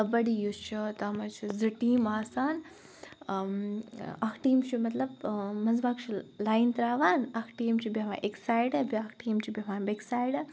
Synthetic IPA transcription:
ɐbɐɽijut͡ʃʰit̪ɐmɐt͡ʃʰiziʈiːmaːsaːn | ɐkʰʈiːmt͡ʃʰumɐt̪lɐbmɐnzbakt͡ʃʰilaːjnt̪ɾaːʋaːnɐkʰʈiːmt͡ʃʰibɐʋa̰ːʔeksaːjɖɐbiɐkʰʈiːmt͡ʃʰibʲɐʋaːnbeksaːjɖɐ

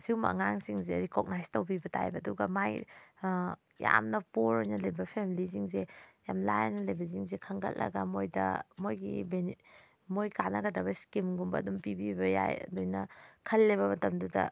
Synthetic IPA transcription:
siwmɐɐ̰ŋaŋsiŋzeɾikoɡ̚najstɐwbibɐtʰa̰jbɐːduɡɐmaj | ja̰mnɐpoɾojnɐlɐjbɐpʰemiliziŋzejamlajnɐlɐjbɐz̬iŋzekʰɐŋɡɐ̰t̚lɐ̰ɡɐmojdɐ̰mojɡḭben | mojkanɐɡɐdɐβɐskimɡumbɐːdumpibibɐja̰jɐ̰dojnɐkʰɐlːeβɐmɐtɐmdudɐ̰

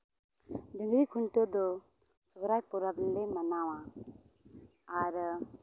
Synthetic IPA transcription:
dɯŋɡɾikʰuntɔd̪ɔ | sɔɡɾajpɔɾablemanawa | aɾ

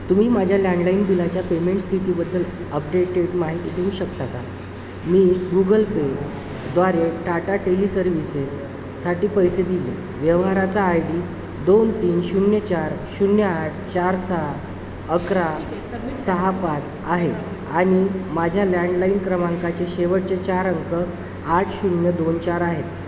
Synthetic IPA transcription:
t̪um̤iːmad͡ʑʱjalãɳɖlainbilat͡ɕjapemeɳʈst̪ʰit̪iːbəd̪ːəl | əp̚ɖeʈeɽmaɦit̪id̪ʱeuɕəkt̪aka | miːɡuɡəlpe | d̪ʋaɾeʈaʈaʈeliːsəɾʋisesː | aʈiːpəjsed̪ilḛ | ʋjəʋɦaɾat͡saːjɽiː | d̪ont̪iːnɕunjət͡ɕaɾɕunjəaʈʰt͡ɕaɾsəɦ | əkɾa | səɦapat͡s | aɦe | aɽ̃imad͡ʑʱjalaɳɖlainkɾəmaŋkat͡ɕeɕeʋəɽt͡ɕet͡ɕaɾəŋkə | aʈʰɕunjəd̪ont͡ɕaɾaɦet̪

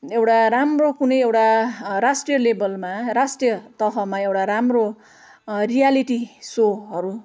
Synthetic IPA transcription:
ewʈaɾamrokunʌjewʈaɾasʈrijʌlebʌlmaɾasʈrijʌt̪ʌɦʌmaewʈaɾamro | rijaliʈisoɦʌɾu

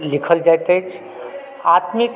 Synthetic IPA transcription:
likʰəld͡ʒajt̪əjt͡ʃʰ | at̪mik

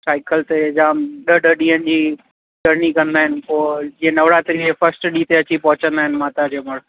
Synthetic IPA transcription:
saːɪkəlt̪ed͡ʑaːmɗəɗəɗĩːənɪ̆d͡ʑiː | ɗəɾnikɐ̃nd̪aːɦɪnɪ̆poːd͡ʑĩːə̃nɐʋɽaːt̪ɾiefɐsʈɗiːt̪eɐt͡ɕipɐ̃ɦʊt͡ɕə̃nd̪aːɦɪnɪ̆maːt̪ad͡ʑeməɽ

